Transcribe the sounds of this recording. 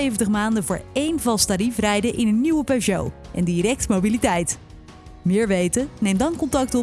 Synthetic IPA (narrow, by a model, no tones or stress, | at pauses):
ejvəntəχmaːndəvʊːɹejnvɑlˠstaːɾifrɛjdəʔɪnənːiwəpoʒo̰wʔɛ̰ndiɾɛk̚tmowbilitɛjt | mɪːɹʋejtənejmdɑnkɔntɑk̚tɔ